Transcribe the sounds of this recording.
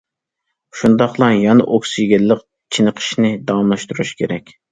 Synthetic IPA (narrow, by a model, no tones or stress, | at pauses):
ʃund̪ɑχlˠɑjɑnɨ̰ʔoksyjɡʲɛlːəq | t͡ʃʰinəqʰə̥ʃnɪd̪ɑwɑmlˠɑʃt̪uɾuʃkʲʰeɾɛkʲ